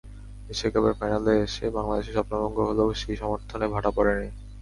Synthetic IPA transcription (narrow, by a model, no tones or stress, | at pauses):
eʃekabeɾfajnaleeʃebaŋlad̪eʃeʃɔpnɔloŋɡoɦoloʃiʃɔmoɾt̪ʰonebʱaʈapɔɾeni